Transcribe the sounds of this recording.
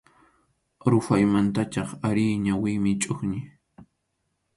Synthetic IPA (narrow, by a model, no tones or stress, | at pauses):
ɾʊfajmant̪at͡ʃɑχaɾɪjɲawɪmɪt͡ʃʼoχɲɪ